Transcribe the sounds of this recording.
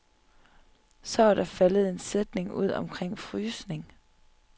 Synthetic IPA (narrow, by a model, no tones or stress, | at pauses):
sɒʋɑɾ̥ɑfæləð̩ˠe̝nsed̥ne̝ŋuð̞̰ˠɒ̽mkʰʁeŋ̰fʁyːsne̝ŋ